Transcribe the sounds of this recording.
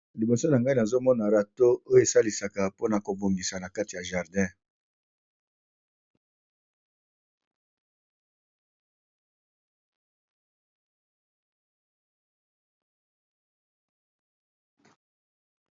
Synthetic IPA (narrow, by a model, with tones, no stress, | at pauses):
li˨bo˨so˦na˨ŋɡa˦i˦na˨zo˦mɔ˦na˨ʁa˨to˦o˦jo˦e˨sa˦li˨sa˨ka˨po˦na˨ko˨bo˨ŋɡi˨sa˨na˨ka˦ti˨ja˨ʒa˨ʁdɛ̃˦